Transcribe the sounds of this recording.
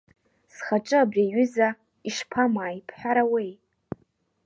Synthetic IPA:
sχaʈ͡ʂʼɨabrʲiɥʏza | iʂpʰamaːjpʰħʷᶣaɾawej

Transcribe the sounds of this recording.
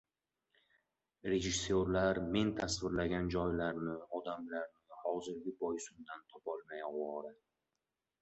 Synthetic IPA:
ɾe̞ʒɪsːoɾlaɾme̞nt̪ʰasvɪɾlaɡʲand͡ʒɒjlaɾnɪɒd̪amlaɾnɪhɒzɪɾɡʲɪbɒjsʊnd̪ant̪ʰɒpʰɒlˠmajɒwɒɾɪ

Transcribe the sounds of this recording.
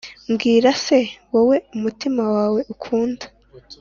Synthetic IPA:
mɡiːɾase̞wowe̞umutimawaːwe̞ʔukʰuːndḁ

